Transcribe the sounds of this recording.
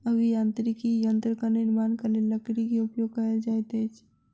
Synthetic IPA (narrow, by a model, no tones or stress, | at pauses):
əɡijant̪ɾikijənt̪ɾəkanɪɾmaːnkɐɾleləkɽikiʊpjoɡ̚kɐɦəld͡ʒaːjt̪et͡ʃʰ